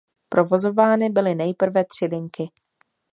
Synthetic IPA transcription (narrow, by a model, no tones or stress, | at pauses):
pɾʔo̞vo̞zo̞vaːnɪbɪlɪnɛjpr̩vɛt̪r̝̥ɪlɪŋkɪ